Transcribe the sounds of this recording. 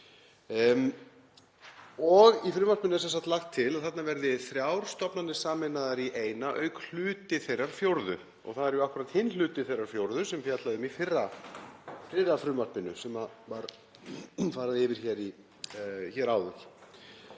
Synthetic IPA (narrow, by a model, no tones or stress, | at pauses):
ɔɣifɾʏːmarpɪnʏs̬ɛnsḁt̪laxt̪ʰːɪlaðθat̪navɛɾðɪθɾjawɾ̥st̪ɔpnanːɪ̥saːmɪnaðaɾiʔeːjnaʔœːɥkl̥ʏːt̪ɪθejrːaɾ̥fjowɾðʏ̰ | ɔ̰ɣθaðɛɾjʊahkʏɾat̪hɪnlʏːt̪ɪθejraɾ̥fjowɾðʏsɛmfjat̪laðʏmifɪrːa | fɾɪɾːafɾʏːmar̥pɪnːʏsɛmavaɾ | faːɾaðɪɪvɪɾ̥çɛːɾi | çɛːɾaːwðʏl̥